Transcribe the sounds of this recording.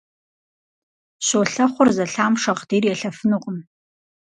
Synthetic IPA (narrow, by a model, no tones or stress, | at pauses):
ɕoːɬɐχʷʊrzɐɬaːmʂɐʁd̥iːrjɛɬɐfɨnuqʼəm